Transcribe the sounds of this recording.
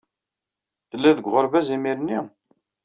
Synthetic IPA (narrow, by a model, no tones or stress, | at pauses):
θəlːæðəɡʷʁəɾˤvæzimiɾənːi